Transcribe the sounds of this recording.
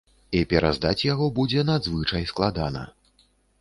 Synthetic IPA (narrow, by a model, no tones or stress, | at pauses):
ipʲɛɾa̰zd̪at͡sʲjaɣɔbud͡zʲɛnad̪zvɨt͡ʂɐjsklˠad̪anɐ̰